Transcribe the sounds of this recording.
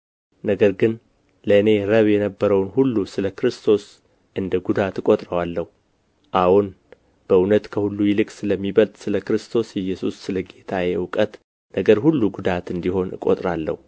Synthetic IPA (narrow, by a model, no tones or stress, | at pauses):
nəɡəɾɡɨn | ləɨne̞ɾəβjɛnəbːəɾəwnhulːusɨləkɾɨst̪ʰo̞s | ʔɨnd̪əɡud̪at̪ɨkʼo̞t̪ʼɾəwalːəhu | ʔawun | b̥əunət̪kʰəhulːujɪlɨkʼsɨləmːiβəlt̪ʼsɨləkɾɨst̪ʰo̞sjɛjːɛsusːɨləɡet̪ʰajɛwkʼət̪ | nəɡəɾhulːuɡud̪at̪ɨnd̪iho̞nɨkʼo̞̰t̪ʼɾalːə̰hu